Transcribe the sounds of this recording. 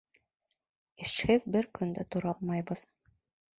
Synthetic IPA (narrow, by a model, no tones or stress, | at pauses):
ɘ̆ʃhɘðbɘɾkɵ̆nd̪æt̪ŏɾɑlˠmɑjbɤð